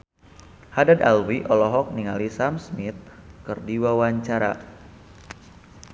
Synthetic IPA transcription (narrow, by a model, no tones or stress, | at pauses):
hadadalwiʔɔlɔɦɔk̚niŋalisamsmit̪̚kərdiwawaɲt͡ʃaɾa̰